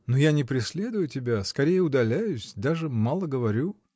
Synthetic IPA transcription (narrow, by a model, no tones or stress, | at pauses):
nojanʲɪpɾʲɪsʲlʲe̞d̪ʊjʊtʲɪbʲaskɐɾʲejəʊd̪ɐlʲæjʉsʲd̪aʐɨmalˠəɡəvɐɾʲu